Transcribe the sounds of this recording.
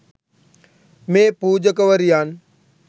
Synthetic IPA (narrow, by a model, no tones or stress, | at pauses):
mẽːpuːd͡ʒəkəʋəɾijaːn